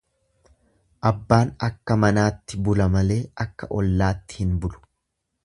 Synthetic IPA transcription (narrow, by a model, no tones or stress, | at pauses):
ʔɐbːaːnɐkːɐmɐnaːt̪ːɪbʊlɐmɐle̞ːɐkːɐ̰ʔɔlːaːt̪ːɪ̥hɪnbʊlʊ̥